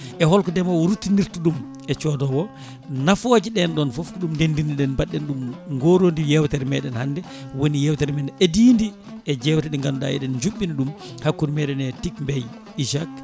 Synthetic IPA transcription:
ʔɛhɔlkɔdɛmawɾutːiniɾtuɗum | ɛt͡ʃɔdɔwɔ | nafod͡ʒiɗɛnɗɔnfofkuɗumndendiniɗɛnbaɗːɛnɗumŋɡoɾondijɛwtɛɾmɛɗɛnhandɛ | wonijɛwtɛɾmɛnɛʔediːndi | ʔɛd͡ʒɛwtɛɗɛŋɡanuɗa̰ɛ̰ɗɛnd͡ʒuɓːinɗumhakːunimɛɗɛnɛtikmbɛj | iʃak

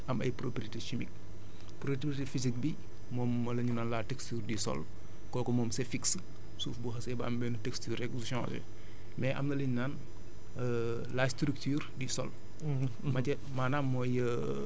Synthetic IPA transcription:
ɐmɐ̰jpɾopɾiteʃimik̚ | pɾotɾitefizik̚bi | mɔːmː | ɐlɐɲunaːnlaːtɛkstuːrdisɔ̰l | kɔːkɔmɔːmsɛfiks | suːfbuɦɐsɛbɐɐmbɛːnutɛkstyːɾɛksusɔ̃tɛ̰ | mɛʔɐ̰mnɐləɲnan | lastɾyk̚tyːrdisɔ̰l | mɐtɛ | maːnamːɔjə

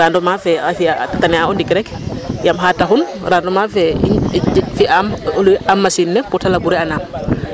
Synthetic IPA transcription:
ɾaːndɔmafɛafiatatanɛaɔndikɾɛk | jamɦataxun | randɔmafɛḭfiʔamluʔamːasinːɛpɔtalabuɾɛanaːm

